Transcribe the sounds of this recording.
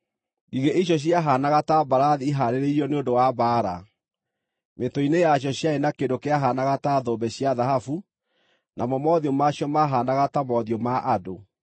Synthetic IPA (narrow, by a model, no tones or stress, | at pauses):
ɡiɣeʔiɕ̬ɔɕ̬jaɦanaɣatabaɾaðiːɦaɾeɾeiɾɔneondowabaːɾa̰ | metoinejaɕ̬jɔɕjaenakedokeaɦanaɣataðɔbɛɕjaðaɦafu | nʔamɔmɔðiɔmaɕjɔmaɦanaɣatamɔðiɔmaʔado